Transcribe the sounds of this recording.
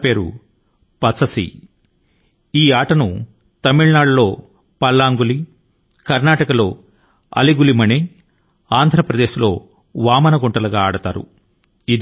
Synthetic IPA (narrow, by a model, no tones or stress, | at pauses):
pe̞ːɾṵ | pɐt͡sːɐsḭ | iːaːʈɐnu | t̪ɐmiɭnaːɖulo̞ː | pɐlːaːŋɡuli | kɐɾnaːʈɐkɐlo̞ː | ɐ̰liɡulimɐne | aːnd̪ʱɾɐpɾɐd̪e̞ːslo̞ː | ʋaːmɐnɐɡuɳʈɐlɐɡaːaːɽɐt̪aːɾṵ | id̪